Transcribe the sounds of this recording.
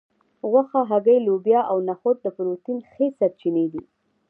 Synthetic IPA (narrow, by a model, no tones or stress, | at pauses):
ɣwaxaɦaɡəjlobjɑʔawnaxot̪̚d̪əpɾot̪inxesaɾ̚t͡ʃined̪i